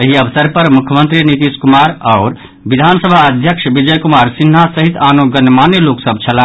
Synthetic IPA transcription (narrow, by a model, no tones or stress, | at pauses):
eɦiəbəsəɾpəɾmukʰjəmənt̪ɾinit̪iskumaɾaʊɾ | bid̪ʱansəbʱaəd̪ʱjəkʃʰbid͡ʒəjkumaɾsin̤ːasəɦit̪anoɡənmaneloksəbt͡ʃʰələ̃